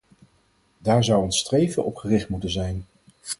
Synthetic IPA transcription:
daːɹzʌwənstrejvəʔɔpχərɪχtmutənzɛjn

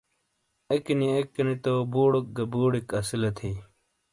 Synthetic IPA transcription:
ɐkiniekːɐnit̪obuːɽok̚ɡɐbuːɽikɐsilɐt̪ʰiː

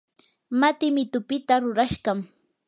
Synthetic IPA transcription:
mat̪ɪmɪt̪ʊpɪt̪aɾʊɾaʃɢɑm

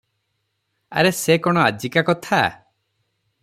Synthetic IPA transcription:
a̰ɾesekɔɽ̃ɔad͡ʒikakɔt̪ʰa̰

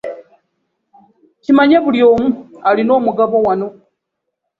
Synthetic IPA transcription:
t͡ʃʰimaɲɛβuljomualinoːmuɡaβɔwanɔ

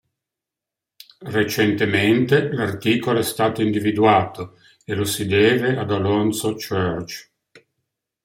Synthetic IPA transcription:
ret͡ʃent̪ement̪elart̪iːkoloɛst̪aːt̪oind̪ivid̪uaːt̪o | elosid̪ɛːvead̪alɔnsot͡ʃørt͡ʃ

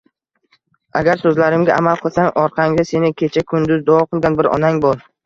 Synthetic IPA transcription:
aɡʲaɾsɵzlaɾɪmɡʲaʔamalˠqʰɨlˠsaŋʔɒɾqʰɑŋd̪ase̞nɪkʲʰe̞t͡ʃʰakʰʊnd̪ʊzd̪ɒɒqɨlˠɡʲanbɪɾɒ̰naŋbɒlˠ

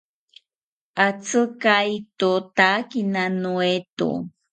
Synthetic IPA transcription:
ʔat͡sɨkajt̪ut̪akinanuet̪ṵ

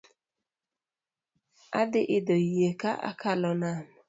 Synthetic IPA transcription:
a̰dɪʔɪdɔjeka̰ʔa̰kalɔnam

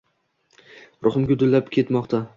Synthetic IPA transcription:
ɾʔʊχɨmɡʲʊd̪ʊlːapkʲʰe̞t̪mɒqt̪ʰa

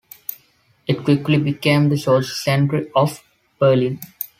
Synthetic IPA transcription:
ɪʈkwɪklibɪkẽːmd̪əʃoːssɛ̃ɳʈɾiɔʋ | bəːlĩn

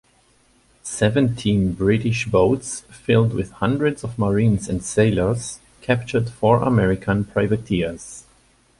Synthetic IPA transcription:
sɛvɨ̃ntʰĩnbɹɪɾɪʃboʊtsfɪlˠd̚wɪð̥hʌ̃ndɹɨdzʌvməɹĩnzɨ̃ndseɪlˠə˞z̥ | kʰæp̚t͡ʃə˞dfɔɹʔə̰mɛɹɪkʰə̃npʰɹ̥aɪvɨtʰiz̥

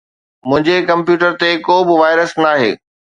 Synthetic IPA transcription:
mʊ̃ɦɪ̃ɲd͡ʑekɐ̃mpjuːʈəɾt̪ekoːbɪʋaːɪɾəsnaːɦḛː

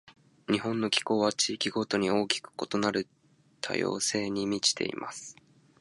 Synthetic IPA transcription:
ɲ̟iɦõ̞nːo̞kʲi̥ko̞ːβat͡ɕiːkʲiɡo̞t̪o̞ɲ̟io̞ːkʲi̥kɯ̥ko̞t̪o̞naɾɯ̟ | t̪ʰa̰jo̞̰ːse̞ːɲ̟imʲit͡ɕi̥t̪e̞̰ḭmʔa̰sɨ̥

